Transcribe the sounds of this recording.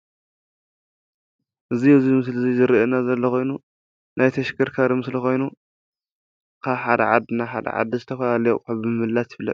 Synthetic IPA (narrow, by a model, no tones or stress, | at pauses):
ʔɨziɨzimɨs̬lɨzizɨɾiʔenazɐlːɐko̞jnu | nʔajt̪ʰɐʃkʰɐɾkʰaɾimɨslixo̞jnu | kʰaβħad̪ɐ̰ʕad̪ɨnaħa̰d̪ɐ̰ʕa̰d̪ːizɨt̪ʰɐfɐlalɐjukʰɐβbɨmɨhɨlːat̪ɪβlɐ̰